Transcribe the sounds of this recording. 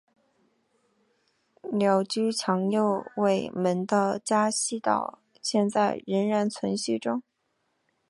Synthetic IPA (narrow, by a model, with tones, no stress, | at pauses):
ljɑ˧˥ʊt͡ɕy˥t͡ɕʰjɑ˧˥ŋjo˥˧ʊwe˥˩ɪmə˧˥nd̪ə˧t͡ɕja˥ɕi˥˧t̪ɑ̰˥˩ʊ | ɕjɛ˥˧nt͡sa˥˩ɪɻə˧˥nɻa˧˥nt͡sʰwə˧˥nɕy˥˩ʈ͡ʂʊ˥ŋ